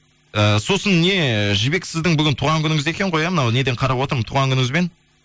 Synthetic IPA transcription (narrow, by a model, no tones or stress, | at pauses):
əso̞sənne̞ʒɪbe̞ksɪzd̪ɪŋbʏɡʲɪnt̪ʰuːʁɑŋkʲʏnɪŋɪze̞kʲe̞ɴqʰojɑmənɑwne̞d̪eɴqʰɑɾɑpwot̪əɾmənt̪ʰuʁɑŋkʰʲʏnɪŋɪzbe̞n